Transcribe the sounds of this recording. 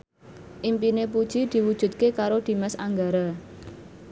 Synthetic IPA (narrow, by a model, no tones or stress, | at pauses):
ʔimpinep̬ud̥ʒ̥id̪̥i̤wud̥ʒ̥ṳt̪̚kekaɾod̪̥i̤mɛsa̰ŋɡaɾa